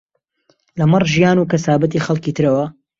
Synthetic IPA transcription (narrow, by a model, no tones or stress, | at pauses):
lɐmɨrˤʒijaːnuːkɐsaːbɐt̪̬iːxɐlˠkiːt̪ʰɨɾɐwɐ